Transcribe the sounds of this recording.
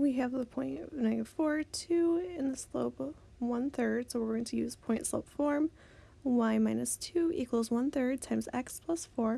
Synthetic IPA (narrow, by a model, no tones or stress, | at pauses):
wiɨvðəpʰɔ̃ɪ̃ntʌvnãɪ̃nʌfɔɹtʰʉɪ̃nðɨsloʊpʌ | wʌ̃nθɜ˞d̥soʊwɪɹɡoʊɪ̃ŋtʰɨjʉz̥pʰɔ̃ɪ̃ntsloʊpfɔɹm | waɪmãɪ̃nɨstʰʉʔḭkʰwəl̩ˠzwʌ̃nθɜ˞d̚tʰãɪ̃mzɛ̰kspʰl̥ʌsfɔɹ